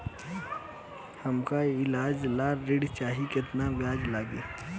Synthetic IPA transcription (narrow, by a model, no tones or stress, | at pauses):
həmkaɪlaːd͡ʒlaːɪɽt͡ʃaːɦikɪt̪nabjaːd͡ʒlaːɡeː